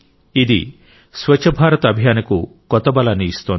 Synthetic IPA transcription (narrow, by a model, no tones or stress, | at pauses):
id̪i | swɐt͡ʃʰɐbʱaːɾɔt̪ɐbʱjaːnɐkukɔt̪ɔbɐlaniːst̪ɔn